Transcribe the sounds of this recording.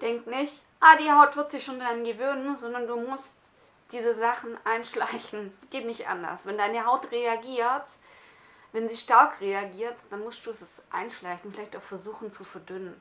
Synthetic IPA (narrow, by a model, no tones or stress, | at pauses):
d̥ɛŋknɪçt | ʔaːdiːhaʊtv̥ɪɐtz̥ɪçʃoːndaʁanɡəvøːnənzɔndɐnduːmʊst | d̥iːzəzaχn̩ʔaɪnʃla̰ɪçn̩ziɡ̥eːtnɪçtʔa̰ndɐ̰ɐsvɛndaɪnəɦaʊtʁeaɡiːɐt | vɛnziːʃtaɐkʁeaɡiːɐtd̥anmʊstd̥uːɛsɛsʔa̰ɪnʃlaɪçn̩fɪlaɪçtaʊxfɛɐzuːxn̩t͡sufɛɐdʏnən